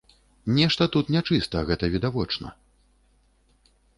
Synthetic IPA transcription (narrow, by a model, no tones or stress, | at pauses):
nʲɛʂt̪ɐt̪ut̪nʲat͡ʂɨst̪ɐɣɛt̪ɐvʲid̪avɔt͡ʂnɐ̰